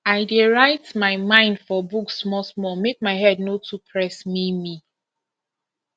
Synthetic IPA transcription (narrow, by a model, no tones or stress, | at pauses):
aɪdeɹaɪtmaɪmãɪ̃ndfɔbuksmɔsmɔmek̚maɪɦɛdnotʰupʰɹɛsmimi